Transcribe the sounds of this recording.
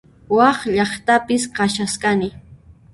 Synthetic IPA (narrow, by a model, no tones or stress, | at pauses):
wɑχʎɑχt̪apɪsqɑʃaskanɪ